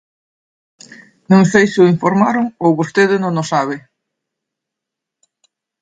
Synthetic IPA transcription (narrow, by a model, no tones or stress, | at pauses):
nõŋsejsɪʊiɱfoɾmaɾoŋowβost̪eðɪnõŋosaβ̞ɪ